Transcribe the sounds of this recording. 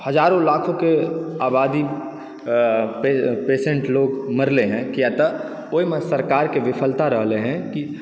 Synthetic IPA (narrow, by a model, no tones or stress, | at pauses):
hɐd͡ʒaːɾõlaːkʰõkeaːbaːd̪i | pepeːsẽɳʈloːɡmɐɾleɦɛ̃kijat̪ə | oːimɛ̃sɐɾkaːɾkeʋɪpʰəlt̪aɾəɦleɦɛ̃ki